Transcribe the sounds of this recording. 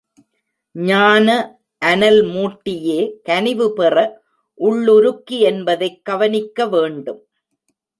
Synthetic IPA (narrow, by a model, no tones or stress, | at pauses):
ɲaːnɐ | ʔɐnɐlmuːʈːɪjeːkɐnɪʋɯpɛrɐ | ʔʊɭːʊɾʊkːiɛnbɐðɐɪkːɐʋɐnɪkːɐʋeːɳɖɯm